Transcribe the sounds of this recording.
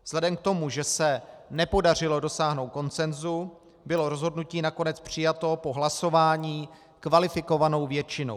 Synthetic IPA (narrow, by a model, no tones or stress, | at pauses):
vz̥lɛdɛmk̚t̪o̞muʒɛsɛnɛpo̞dar̝ɪlo̞do̞saːɦno̞wt̚ko̞nt͡sɛnzu | bɪlo̞ɾo̞zɦodnuciːnako̞nɛt͡spr̝̥ɪjat̪o̞po̞ɦlaso̞vaːɲiː | kvalɪfɪko̞vano̞wvjɛt͡ʃɪno̰w